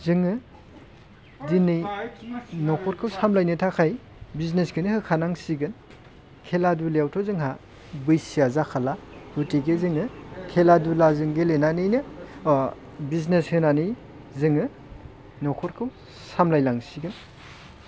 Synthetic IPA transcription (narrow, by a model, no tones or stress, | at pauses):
zɯŋɯ | dinːɯj | nɔkʰɔɾkʰɯwsamlajnɯtʰakʰaj | biznesɡɯnihɯkʰanaŋsiɡɯn | kʰeladuleawtʰɔzɯŋɦa | bɯjsijazakʰalautiɡezɯŋɯkʰeladulazɯŋɡelenanɯjnɯ | bizneshɯnanɯj | zɯŋɯ | nɔkʰɔɾkʰɯw | samlajlaŋsiɡɯn